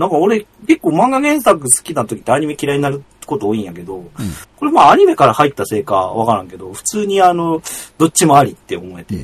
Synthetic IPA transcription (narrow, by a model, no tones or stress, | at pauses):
nãŋkao̞ɾe̞ke̞kːo̞ːmãŋɡaɡẽ̞ɰ̃sak̬ɯ̟sɨ̥kʲinat̪o̞kʲi̥t̪ːeaɲ̟ime̞kʲiɾaiɲ̟inaɾɯ̟ | ko̞t̪o̞ːĩɰ̃jake̞d̪o̞ko̞ɾe̞maːɲ̟ime̞kaɾahait̪ːase̞ːka̰βakaɾãŋke̞d̪o̞ɸɯ̥t͡sɨːɲ̟iano̞d̪o̞t͡ɕt͡ɕːimoaɾʲit̪ːe̞o̰mo̞e̞t̪e̞̰